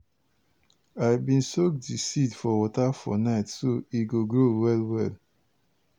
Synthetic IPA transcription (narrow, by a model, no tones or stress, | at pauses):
aɪbĩnsokdisidfɔwɔtafɔ̰naɪtsoiɡoɡɹowɛlwɛ̰l